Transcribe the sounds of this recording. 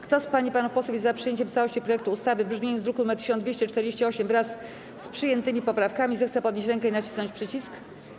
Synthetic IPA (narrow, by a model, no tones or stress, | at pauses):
kt̪ɔspaɲipanufpɔswufʲjzːapʂɨjeɲt͡ɕɛmt̪sawɔɕt͡ɕipɾɔjɛk̚t̪uːst̪avɘbʐmʲẽzd̪ɾukumɛt̪ːɘ̥ɕɔnd̪vʲeɕt͡ɕɛt͡ʂt̪ɛɾd͡ʑeɕt͡ɕɛɔɕɛmvɾasː | pʂɘjɛnt̪ɘmʲipɔpɾafkamʲizɛxt̪sɛpɔd̪ɲeɕt͡ɕɾɛŋkɛinat͡ɕi̥snɔɲt͡ɕpʂɘt͡ɕisk